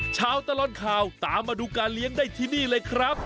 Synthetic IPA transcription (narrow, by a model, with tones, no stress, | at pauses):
t͡ɕʰaː˦˧˥wt̪a˧lɔ˧˥nkʰaː˧wt̪aː˨˦mːaː˧duː˧kaː˧nli˦˥əŋdaː˥˩jt̪ʰiː˥˩niː˥˩lɤː˧jkʰɾa˦˥p̚